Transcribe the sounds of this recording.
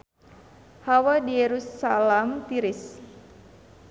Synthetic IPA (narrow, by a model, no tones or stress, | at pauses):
hawadijeɾusalɛmt̪iɾɪs